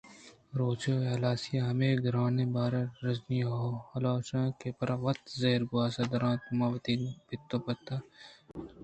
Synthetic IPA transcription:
ɾoːt͡ʃoːeɦlaːsijaɦɐmeːɡɾaːnẽbaːɾɐɾɐzniːhɐlaːʃãkepɐɾʔɐʋɐt̪zeːɾɡʊaːsɐd̪ɐɾãːt̪maːʋɐt̪iːnbɪt̪ːõːpɐt̪ːaː

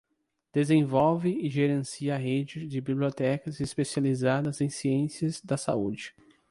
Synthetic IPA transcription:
d̪̥ezẽvɔwvɪɪʒeɾẽsiɐɦed͡ʒɪzd͡ʒɪbibliot̪ɛkɐzespesializad̪ɐzẽj̃siẽsiɐzd̪ɐsa̰ṵd͡ʒɪ

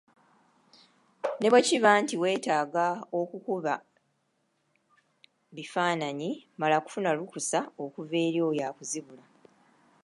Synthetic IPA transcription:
ne̞βweciβaːntiwe̞ːtaːɡao̞kukuβa | βifaːnaɲimalaku̥funalukusao̞kuve̞ːɾjo̞jaːkuziβula

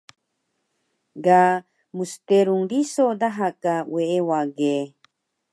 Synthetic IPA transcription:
ɡa | must̪eɾuŋɾisod̪aɦakaweewaɡe

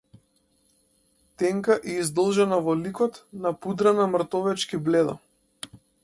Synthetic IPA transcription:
t̪ɛŋkaʔɛizd̪ɔlˠʒɛnavɔlikɔt̪napud̪ɾanamr̩t̪ɔvɛt͡ʃkiblɛd̪a̰

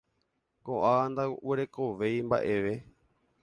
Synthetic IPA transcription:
koʔãand̪aweɾe̞koʋe̞jmba̰ʔe̞ʋe̞

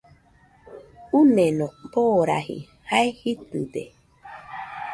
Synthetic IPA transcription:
unenoboːɾa̰hḭ | haehit̪t̪ḛ

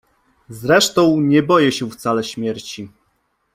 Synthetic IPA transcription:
zɾɛʂt̪ɔ̃w̃ɲɛbɔjɛɕɛft̪salɛɕmʲjɛɾt͡ɕi

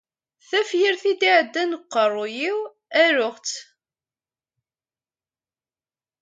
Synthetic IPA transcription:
θæfjiɾθid̪iʕəd̪ːænəqːərˤːʊjiw | æɾʊχt͡s

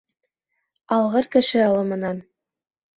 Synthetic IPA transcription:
ɑlˠʁɤɾkɘ̆ʃɘɑlˠɤmɤ̆nɑn

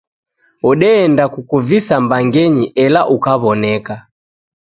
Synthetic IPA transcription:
ɔɗɛːndakukuvisambaŋɡɛɲiʔɛlaʔukaβɔnɛka

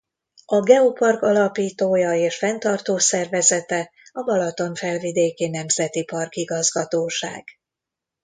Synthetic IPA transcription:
ɒɡɛopɒrkɒlɒpiːt̪oːjɒeːʃfɛnt̪ɒrt̪oːsɛrvɛzɛt̪ɛ | ɒbɒlɒt̪o̞ɱfɛlvid̪eːkeːnɛmzɛt̪ipɒrkiɡɒzɡɒt̪oːʃa̰ːɡ̥

